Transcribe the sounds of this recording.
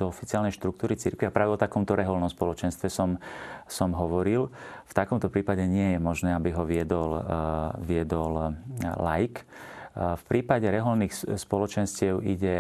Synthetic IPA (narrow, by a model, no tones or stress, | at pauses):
d̪̥ɔɔfi̥t͡sɪaːlnɛɪjʃt̪ɾukt̪uːɾit͡siɾkʋiapɾaːʋɛɔt̪akɔmt̪ɔɾɛɦɔlnɔmspɔlɔt͡ʃɛnst̪ʋɛsɔmsɔmɦɔʋɔɾilft̪akɔmt̪ɔpɾiːpaɟɛɲɪɛjɛmɔʒnɛːabiɦɔʋɪɛd̪ɔl | ʋɪɛd̪ɔllajk | fpɾiːpaɟɛɾɛɦɔlniːxspɔlɔt͡ʃɛnscɪɛʊiɟɛ